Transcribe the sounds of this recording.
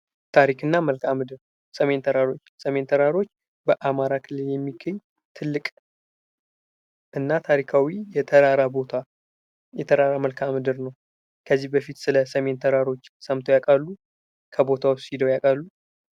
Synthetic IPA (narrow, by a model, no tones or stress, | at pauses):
t̪ʰaɾikʰɨnːaməlkʰamɨd̪ɨɾ | səme̞nt̪ʰəɾaɾo̞t͡ʃːsəme̞nt̪ʰəɾaɾo̞t͡ʃː | bəʔamaɾakʰɨlɨljɛmːiɡəɲː | t̪ʰɨlːɨkʼ | ʔɨnːat̪ʰaɾikʰawijɛt̪ʰəɾaɾabot̪ʰa | jɛt̪ʰəɾaɾaməlkʰamɨd̪ɨɾnəw | kʰəzːihbəfit̪sɨləsəme̞nt̪ʰəɾaɾo̞t͡ʃːsəmt̪ʰojakʼalːu | kʰəbo̞t̪ʰawssid̪əwjakʼalːu